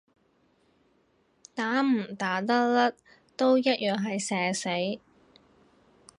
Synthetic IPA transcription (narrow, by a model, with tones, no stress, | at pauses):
t̪aː˨˥m̩˨˩t̪aː˨˥t̪ɐ˥lɐ˥t̚ | t̪o˥wjɐ˥t̚jœː˨ŋɦɐ˨jsɛː˨se˨˥j